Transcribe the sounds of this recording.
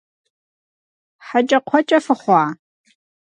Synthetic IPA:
ħat͡ʃʼɐqʷʰɔt͡ʃʼɐfɨχʷɑː

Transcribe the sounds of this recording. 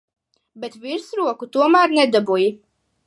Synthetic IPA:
bɛt̪viɾsɾuɔkut̪uɔmæːɾnɛd̪abuji

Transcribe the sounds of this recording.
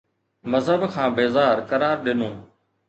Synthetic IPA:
məzɦəbkʰãːbeːzaːɾkəɾaːɾɗɪnõː

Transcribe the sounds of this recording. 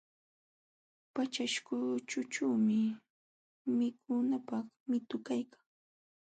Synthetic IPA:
pat͡ʃaʃkʊt͡ʃʊt͡ʃaːmɪ | mɪkʰʊnapɑχ | mɪt̪ʊkajkaŋ

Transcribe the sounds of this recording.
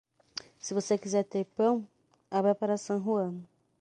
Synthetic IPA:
sivosekizɛt̪epɐ̃w̃ | aβɛpaɾasɐ̃ɦuɐ̃nu

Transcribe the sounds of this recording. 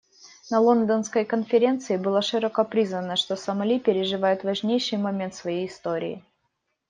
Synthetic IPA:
nɐlˠo̞nd̪ənskəjkənfʲɪɾʲe̞nt̪sɨɪbɨlˠaʂɨɾəkɐpɾʲiznənəʂt̪o̞sɐmɐlʲipʲɪɾʲɪʐɨvajʊt̪vɐʐnʲejʂɨjmɐmʲe̞nt̪svɐjejɪst̪o̞ɾʲɪ̰ɪ̰

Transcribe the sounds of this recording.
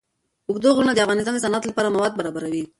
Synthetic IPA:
ʊɡd̪oɣuɾunad̪əafɣɑnɪs̬t̪ɑnd̪əsanɑt̪lapɑɾamawɑd̪̚baɾɑbaɾawi

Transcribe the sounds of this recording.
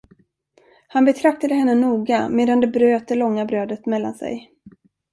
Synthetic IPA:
hanbɛt̪ʰɾak̚t̪ad̪əɦɛnːənuːɡameːd̪and̪ɛbɾøːt̪̚d̪ɛlɔŋːabɾøːd̪ət̪mɛlːa̰nsɛ̰j

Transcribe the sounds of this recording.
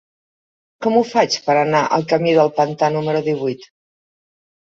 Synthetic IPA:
kɔmufat͡ʃpəɾənaʔə̰lˠkəmiðəlˠpənt̪anuməɾuðiβ̞ujt̪

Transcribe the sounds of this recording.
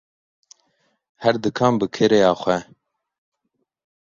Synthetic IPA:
hɛɾd̪ɨkʰɑːmbɨkʰɨɾejɑːxʷɛ

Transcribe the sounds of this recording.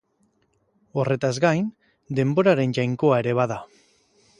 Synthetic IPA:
o̞re̞t̪azɡajn | d̪e̞mbo̞ɾaɾe̞nʝajŋko̞ae̞ɾe̞β̞aða

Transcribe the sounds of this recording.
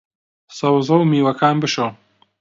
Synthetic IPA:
sɐwzɐwmiːwɐkʰaːnbɨʃo

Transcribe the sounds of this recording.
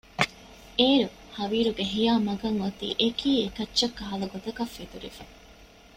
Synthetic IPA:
eːɾu | hɐʋiːɾuɡeɦijaːmɐɡɐŋʋɐt̪ḭːʔekʰiːekɐtːt͡ʃːɐkːɐɦɐlɐɡot̪ɐkɐfːet̪uɾife̥

